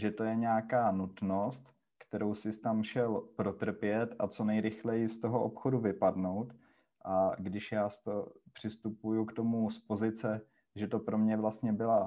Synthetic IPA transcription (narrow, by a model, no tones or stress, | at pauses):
ʒɛt̪o̞jɛɲɛakaːnut̪no̞st̪ | kt̪ɛɾo̞wsɪst̪amʃɛlpɾo̞t̪r̩pjɛt̪at͡so̞nɛjɾɪxlɛjɪst̪oɦoʔopxo̞duvɪpadno̞wt̪ | ʔaɡdɪʃjaːst̪opr̝̥ɪst̪upujukt̪o̞muspo̞zɪt͡sɛ | ʒɛt̪o̞pɾomɲɛvlast̪ɲɛbɪla